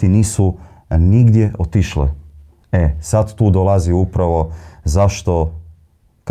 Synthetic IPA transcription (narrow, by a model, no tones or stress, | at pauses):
iniːsu | niɡd̪jeʔot̪iʃlḛ | esad̪t̪uːd̪olˠaziupɾaʋo̞zaʃt̪o̞ | k